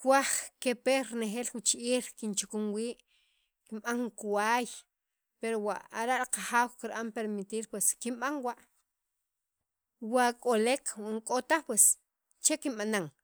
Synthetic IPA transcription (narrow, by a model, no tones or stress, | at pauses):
kwaχkepeɾneχeːlwut͡ʃʔiːɾkint͡ʃukumwiːʔ | kimɓaŋkuwaːj | peɾowaʔaɾaʔɾqaχaːwkiɾɓampeɾmit̪iːɾpweskimɓaŋwaʔ | wakʼolekwaŋkʼot̪aχpwes | t͡ʃekimɓanaŋ